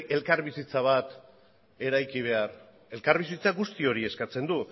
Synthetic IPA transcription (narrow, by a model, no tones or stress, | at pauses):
e̞lkaɾβisit͡saβat̪ | e̞ɾajkiβ̞e̞aɾ | e̞lkaɾβisit͡saɡust̪io̞ɾie̞skat͡se̞nd̪u